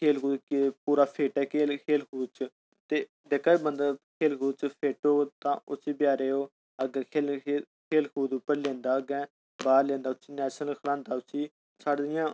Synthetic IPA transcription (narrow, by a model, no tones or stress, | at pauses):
kʰeːlkuːkepuːɾaːpʰeːʈɛːkekʰeːlkʰuːd̪t͡ʃə | t̪eː | d̪ekʰabənd̪aːkʰeːlkuːd̪t͡ʃpʰeːʈoːt̪ãːʊt͡ʃiːbjaːɾeːoː | əɡɛ̃ːkʰeːl | kʰeːlkʰuːd̪uːpəɾlẽːnd̪aːəɡɛ̃ː | baːɾlẽːnd̪aːʊt͡ʃiːnɛːʃnəlkʰlãːnd̪aːʊt͡ʃʰiː | saːɖd̪ɪjãː